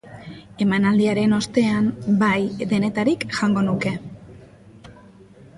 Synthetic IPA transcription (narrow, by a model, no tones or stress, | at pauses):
e̞manald̪iaɾe̞no̞st̪e̞ambajd̪e̞ne̞t̪aɾikʝaŋɡo̞nuke̞